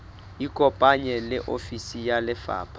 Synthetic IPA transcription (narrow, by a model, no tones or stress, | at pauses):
ikʼɔpʼaɲɛlɪʔofisijalɪfa̰ːpʰa